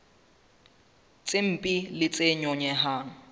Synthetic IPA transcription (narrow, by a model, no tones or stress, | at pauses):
t͡sʼem̩pʼilɪt͡sʼeɲɔɲɛɦaːŋ̩